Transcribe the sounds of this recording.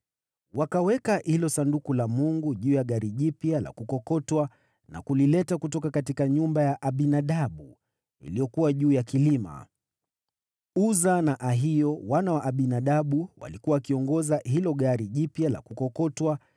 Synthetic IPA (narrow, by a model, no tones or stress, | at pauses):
wakawɛkahilɔsandukulamuŋɡuʄuːjaɠaɾiʄipjala̰kukɔkɔtwa | na̰kulilɛtakutɔkakatikaɲumbajaʔaɓinaɗaɓu | ḭlijɔkuwaʄuːjakilima̰ | uzanaʔaɦijɔwanawaʔaɓinaɗaɓuwa̰likuwaːkiɔŋɡɔzaɦilɔɠaɾiʄipjala̰kukɔkɔtwa